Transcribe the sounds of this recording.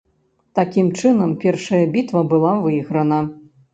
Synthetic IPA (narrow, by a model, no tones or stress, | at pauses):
t̪akʲimt͡ʂɨnɐmpʲɛrʂɐjɐbʲit̪vɐbɨlˠavɨjɣɾɐnɐ